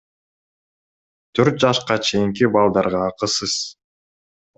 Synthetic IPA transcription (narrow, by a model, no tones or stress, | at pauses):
t̪ʰøɾt̪̚d͡ʒɑʃqɑt͡ʃʰe̞jiŋkibɑlˠd̪ɑɾʁɑːqɯsɯz̥